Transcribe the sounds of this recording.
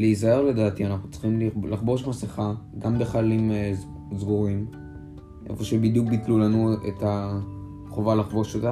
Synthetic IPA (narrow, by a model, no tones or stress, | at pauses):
leizaeʁledaːt̪ianaχnut͡sχimlilaχbo̞ʃmaseχaɡambeχalim | zɡuʁim | ʔe̞̰foʃebid̪jukbitlulanuḛta | χovalaχbo̞ʃota